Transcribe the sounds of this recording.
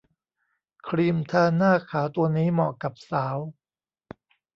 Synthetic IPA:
kʰɾiː˧mt̪ʰaː˧naː˥˩kʰaː˩˦wt̪u˧ɐniː˦˥mɔː˨˩kːa˨˩p̚saː˩˦w

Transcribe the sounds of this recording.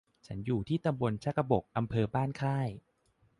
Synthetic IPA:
t͡ɕʰa˦˥njuː˨˩t̪ʰiː˥˩t̪a˧mbo˧nt͡ɕʰa˦˥ka˧bo˨˩k̚ʔa˧mpʰɤː˧baː˥˩nkʰaː˥˩j

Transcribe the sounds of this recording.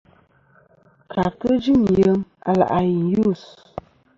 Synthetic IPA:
ka˨kə˦d͡ʒi˦˨m˨jə˨˦ma̰˨la̰˨ʔa˨ji˨ju˦˨s

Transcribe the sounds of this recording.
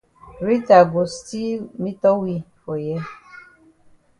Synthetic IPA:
ɾi˦ta˨ɡo˨sti˦mi˦tɔ˦wi˦fo˨jɛ˦

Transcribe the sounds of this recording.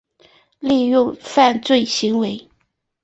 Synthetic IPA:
li˥˧ɥʊ˥˧ŋfa˥˧nt͡swe˥˩ɪɕi˧˥ŋwe˧˥ɪ

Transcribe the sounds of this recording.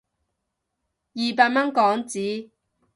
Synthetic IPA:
jiː˨paː˧t̚mɐ˥nkɔː˨˥ŋt͡siː˨˥

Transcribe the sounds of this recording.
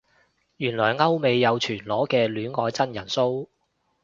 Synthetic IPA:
jyː˨˩nlɔː˨˩jŋɐ˥wme˨˧jːɐ˨˧wt͡ʃʰyː˨˩nlɔː˨˥kɛː˧lyː˨˥nŋɔː˨˧˥jt͡sɐ˥njɐ˨˩nso˥w

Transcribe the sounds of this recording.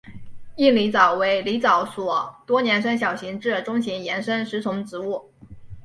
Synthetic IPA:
i˥˩li˧˥t͡sɑ˨˩ʊwe˧˥ɪli˧˥t͡sɑ˨˧˩ʊswɔ˨˩t̪wɔ˥njɛ˧˥nʂ̬ə˥nɕjɑ˨˩ʊɕi˧˥ŋʈ͡ʂɻ̩˥˩ʈ͡ʂʊ˥ŋɕi˧˥ŋjɛ˧˥nʂə˥nʂɻ̩˧˥t͡sʰʊ˧˥ŋʈ͡ʂɻ̩˧˥u˥˩

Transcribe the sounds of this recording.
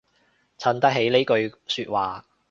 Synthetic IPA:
t͡sʰɐ˧˥nt̪ɐ˥k̚ɦe˨˥jle˥kɵ˧ɥsyː˧t̚waː˨

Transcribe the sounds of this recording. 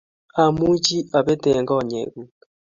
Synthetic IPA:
a˨mu˦d͡ʒi˦a˨bɛ˦tɛ˨ŋɡɔ˦˨ɲḛ˨ɣu˨

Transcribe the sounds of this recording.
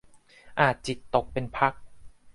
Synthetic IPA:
ʔaː˨˩t̪̚t͡ɕi˨˩t̪ːo˨˩k̚pe˧npʰa˦˥k̚

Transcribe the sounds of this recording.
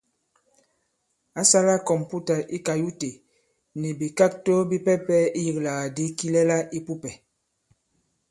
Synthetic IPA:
a˦sa˦la˦kɔ˨mpu˦ta˨ʔi˦ka˨ju˦te˨ | ni˨bi˨ka˦k̚to˦bi˦pɛ˦pɛ˦i˦ji˨kla˨ɣa˨di˦ki˦lɛ˦la˦ʔi˦pu˦pɛ˨

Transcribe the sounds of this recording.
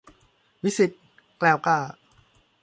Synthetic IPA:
wi˦˥si˨˩t̪̚ | klɛː˧˩wkaː˧˩

